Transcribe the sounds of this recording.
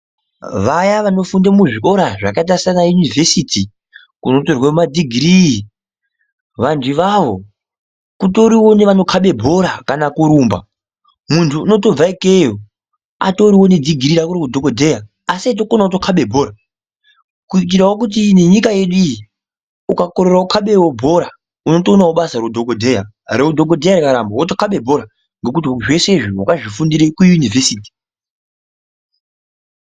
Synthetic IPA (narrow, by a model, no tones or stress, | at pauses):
ʋajaʋano̞fundamuʐiʔo̞ɾaʐa̰kataisanajunivʱe̞siti | kuno̞torwaumad͡zʱiɡʱiɾi | ʋantiʋaʋo̞̰ | kuto̞ɾiwo̞neʋano̞kʰaɓe̞bʱo̞ɾakanakuɾuːmba̰ | muntʰuːno̞to̞b͡vaike̞jo | a̰to̞ɾiwo̞ne̞d͡ziɡʱiɾiɾakuɾokudʱokodʱe̞ja | asiat̬okonaotokʰaɓe̞bʱo̞ːɾa | kuik̬iɾawok̬ut̬ineɲikaje̞ɗuiji | ukako̞ɾe̞raukʰaɓe̞wobʱo̞ɾa | uno̞tonawoɓasarodʱokodʱe̞ja̰ | reudʱo̞k̬odʱe̞jaɾikaɾambawotokaɓe̞bʱo̞ɾa | ŋɡe̞k̬utiʐe̞se̞ʐiwakaʐifundiɾekujunivesiːti̥